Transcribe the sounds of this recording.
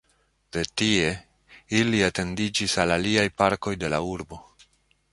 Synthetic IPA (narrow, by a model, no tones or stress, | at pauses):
d̥e̞tie̞ | iliate̞ndid͡ʒisalaliajpaɾko̞jde̞la̰uɾbo̞